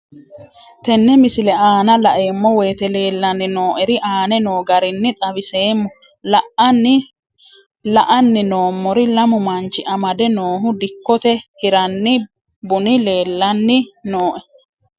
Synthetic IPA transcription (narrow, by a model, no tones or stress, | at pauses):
t̪ɛnːɛmɪsɪlɛaːnɐlɐʔe̞ːmːɔwe̞ːt̪ɛle̞ːlːɐnːɪno̞ːʔɛɾɪʔaːnɛno̞ːɡɐɾɪnːɪt̪ʼɐbɪse̞ːmːɔ | lɐʔɐnːɪ | lɐʔɐnːɪno̞ːmːɔɾɪlɐmʊmɐnt͡ʃːɪʔɐmɐd̪ɛno̞ːɦʊd̪ɪkːɔt̪ɛhɪɾɐnːɪ | bʊnɪle̞ːlːɐnːɪnoːʔɛ